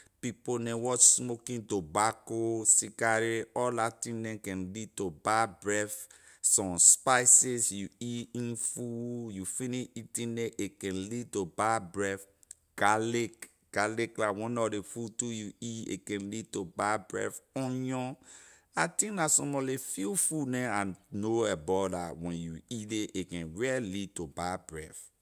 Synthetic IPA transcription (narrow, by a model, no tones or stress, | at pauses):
piponɛ̃wɔt͡ʃsmokĩntobakosikaɾeɔlatĩndɛ̃kɛ̃nlid̚tobabɹɛf | sɔ̃mspaɪsesjuiĩnfujufĩniʃitĩndɛ̃ʔekɛ̃nlitobabɹɛf | ɡ̥alek | ɡ̥aleklawɔ̃nɔdefutujuiḛkɛ̃nlid̚tobabɹɛ̰fɔ̃jɔ̃ | atĩknasɔ̃mɔlefifunɛ̃ãnnoɛbɔdawɛ̃njuideʔekɛ̃nɹɛɛlitobabɹɛf